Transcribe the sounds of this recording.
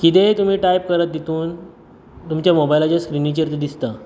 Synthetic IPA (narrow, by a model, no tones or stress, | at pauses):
kit̪̬et̪um̤iːʈajp̚kəɾət̪̚d̪et̪uːn | t̪umt͡ɕjamobajlad͡ʑaskɾinit͡ɕəɾt̪d̪ist̪a